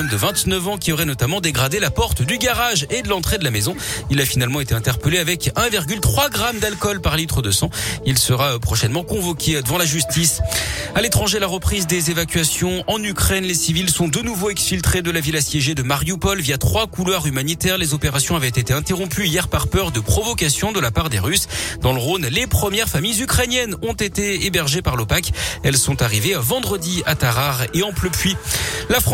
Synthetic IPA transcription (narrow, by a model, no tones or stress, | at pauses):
ɛnd̪əvɛ̃t̪nəvɑ̃kʲiɔʁɛnɔt̪amɑ̃d̪eɡʁad̪elapɔʁt̪d̪yɡaʁaʒed̪əlɑ̃t̪χed̪əlamezɔ̃ilafinalmɑ̃et̪eɛ̃t̪ɛʁpəleavɛkɛ̃viʁɡʲylt̪χwaɡʁamd̪alkɔlpaʁlit̪χəd̪əsɑ̃ilsəʁapχɔʃɛnmɑ̃kɔ̃vɔkʲed̪əvɑ̃laʒyst̪isalet̪χɑ̃ʒelaʁəpχizd̪ezevakʲɥasjɔ̃ɑ̃nykχɛnlesivilsɔ̃d̪ənuvoɛksfilt̪χed̪əlavilasjeʒed̪əmaʁjupɔlvijat̪χwakulwaʁymanit̪ɛʁlezɔpeʁasjɔ̃avɛt̪et̪eɛ̃t̪eʁɔ̃pyijɛʁpaʁpœʁd̪əpχɔvɔkasjɔ̃d̪əlapaʁd̪ḛʁysd̪ɑ̃ləʁonlepχəmjɛʁfamijzykχɛnjɛnɔ̃t̪et̪eebɛʁʒepaʁlopakɛlsɔ̃t̪aʁivevɑ̃d̪ʁəd̪iat̪aʁaʁeɑ̃pløpɥilafχ